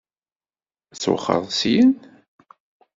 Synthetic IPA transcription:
t͡sːwə̰χːə̰ðˤsjən

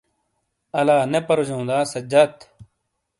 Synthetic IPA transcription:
ɐlaːnepɐɾod͡ʑõːnd̪aːsɐd͡ʑɐt̪

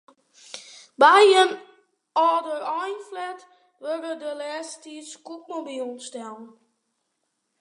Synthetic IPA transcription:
bajən | ɔːdərɔjnflɛt | ʋørədəlɛːstiskuk̚mobiɔnstɛln

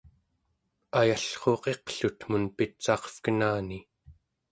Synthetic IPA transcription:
ajaɬχo̞ːqe̞qɬut̪munpit̪̚t͡ʃɑːqfkənaːni

